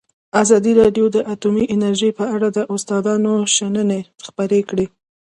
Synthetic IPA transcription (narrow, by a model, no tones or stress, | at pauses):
azɑd̪iɾɑɖjod̪əʔat̪umiʔɪnaɾʒəjpəaɽad̪əʔʊst̪ɑd̪ɑnoʃanənexpəɾekɽe